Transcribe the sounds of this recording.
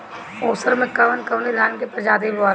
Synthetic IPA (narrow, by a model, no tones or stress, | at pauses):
oːsəɾmẽkɐʋənkɐʋnilaːnkepɾəd͡ʒaːd̪ibʋaː